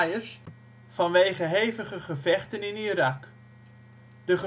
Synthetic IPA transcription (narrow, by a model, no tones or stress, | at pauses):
jəs | fɑnʋejχəɦejvəχəχəvɛχtənɪniɾɑk | d̥əχə